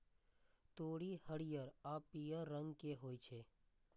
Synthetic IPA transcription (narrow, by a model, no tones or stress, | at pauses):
t̪oːɽihəɽijəɾapijəɾːə̃ŋɡkeɦoːjt͡ʃʰe